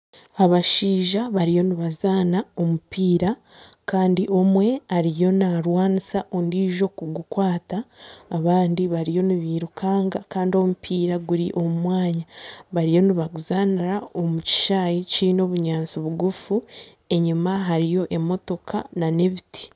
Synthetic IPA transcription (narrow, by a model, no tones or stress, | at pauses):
aβaʃiːʒaβaɾijo̞niβazaːnao̞mupiːɾa | kaːndiʔo̞mwe̞aɾijo̞naɾwaːnisaʔondiːʒo̞kuɡukwaːtaːβaːndiβaɾijo̞niβiːɾukʰaːŋɡakaːndio̞mupʰiːɾaɡuɾiʔo̞mumwaːɲaβaɾijo̞niβaɡuzaːniɾao̞muci̥ʃaːjicino̞ːβuɲaːnt͡siβuɡufu | e̞ɲumaɦaɾijo̞ʔe̞mo̞to̞kʰanane̞βiti̥